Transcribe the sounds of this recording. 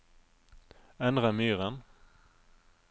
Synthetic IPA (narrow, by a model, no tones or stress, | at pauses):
ɛnd̪ʁamyːʁən